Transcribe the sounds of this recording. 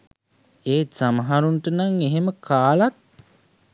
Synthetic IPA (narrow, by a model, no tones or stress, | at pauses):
eːsaməɦaɾunʈənaŋeɦeməkʰaːlat̪̚